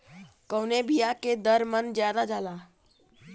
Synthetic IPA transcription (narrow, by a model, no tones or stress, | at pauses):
kəwnebijaked̪əɾmənd͡ʒjaːd̪ad͡ʒaːlaː